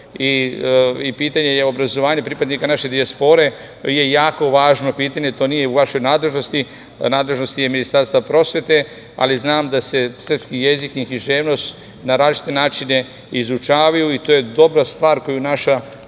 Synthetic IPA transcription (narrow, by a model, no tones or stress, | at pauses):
i | ipiːt̪aɲejeo̞bɾazo̞ʋaːɲepɾipad̪nikanaʃe̞d̪iaspo̞ɾe̞ | je̞jaːko̞ʋaːʒno̞piːt̪aɲe̞t̪o̞ːnije̞uʋaʃo̞jnaːd̪le̞ʒno̞st̪i | naːd̪le̞ʒno̞st̪jeminist̪aɾst̪apɾo̞sʋe̞t̪e̞ | a̰liznaːmd̪ase̞sr̩pskije̞zikixiʒeːʋno̞st̪ | naɾaːzit͡ʃi̥t̪e̞naːt͡ʃine̞ | izut͡ʃaːʋajuit̪oːje̞d̪o̞bɾast̪ʋaːɾko̞junaʃa